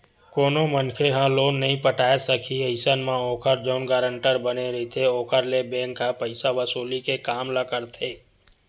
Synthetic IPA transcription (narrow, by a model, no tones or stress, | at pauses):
koːnõmənkʰeɦãloːnːɐɦĩpəʈaːesəkʰiəɪsənmãoːkʰəɾd͡ʒoːnɡaːɾə̃ɳʈəɾbəneɾɐɦit̪ʰeoːkʰəɾlebɛ̃ːŋkːapəɪsaʋɐsuːlikekaːmlakəɾt̪ʰeː